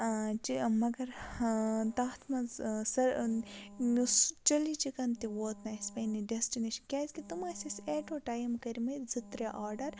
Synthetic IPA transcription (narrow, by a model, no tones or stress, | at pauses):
t͡ʃimɐɡɐɾ | t̪aːt̪ʰmɐzsɐɾ | ust͡ʃɐlit͡ʃikɐnt̪iʋoːt̪naːjspɐniɖesʈineʃɐnkʲaːzʲkit̪umaːsʲɐsʲeːʈoːʈajɐmkɐɾʲmɐzit̪ɾeʔaːɾɖɐɾ